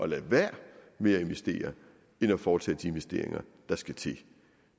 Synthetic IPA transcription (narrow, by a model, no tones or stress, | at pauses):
ʔɒ̽læʋæɐ̰ | me̝ːɐe̝nʋesd̥e̝̰ːɐ | enɒfɒːt͡sʰɛ̰ːd̥ie̝nʋesd̥e̝ɐ̰e̝ŋɐd̥ɑ̈sɡ̥æt͡sʰe̝